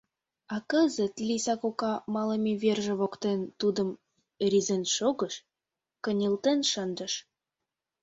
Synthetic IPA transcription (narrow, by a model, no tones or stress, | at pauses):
ɑkəzə̆t̪lʲisɑkokɑmɑləmiβerʒĕβokt̪ent̪ud̪əm | rʲizenʃoɣə̆ʃ | kə̆nʲilt̪enʃənd̪əʃ